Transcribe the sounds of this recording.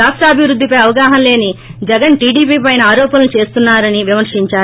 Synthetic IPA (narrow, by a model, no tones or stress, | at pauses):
aːkʂʈaːbʱiʋɾud̪ːipɐjɐʋɐɡaːɦɐmle̞ːnid͡ʒɛɡɐnʈiːɖiːpiːpɐjnɐaːɾɔːpɐnɐlut͡ʃe̞ːst̪unːaːɾɐniʋimɐɾʂiɲt͡ʃaː